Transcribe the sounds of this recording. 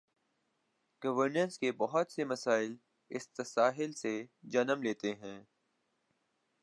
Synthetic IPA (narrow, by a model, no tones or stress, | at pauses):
ɡ̥ɐʋəɾnə̃nskebɔɦɔt̪semɐsaːɪl | ɪst̪əsaːɦɪlsed͡ʒɐnəmleːt̪eɦɛ̃ː